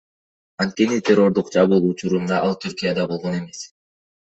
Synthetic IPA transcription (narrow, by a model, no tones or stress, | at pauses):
ɑnt̪̚kʲe̞nit̪ʲʰe̞ro̞ɾd̪uqd͡ʒɑβulˠut͡ʃuɾund̪ɑʔɑlˠt̪ʰyɾkʲijad̪ɑbo̞lˠʁo̞ne̞me̞s